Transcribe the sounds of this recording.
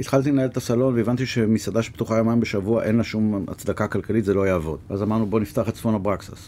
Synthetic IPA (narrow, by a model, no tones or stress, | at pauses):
it̪χalt̪̬ilenaeetasalo̞nveevant̪iʃemisad̪aʃpt̪uχajomajmbeʃavuaʔe̞nlaʃuma̰t͡sd̪akakalkalit̪zelo̞jaːvo̞̰d̪veazamaʁnubo̞nift̪aaχet̪sfonabʁaksas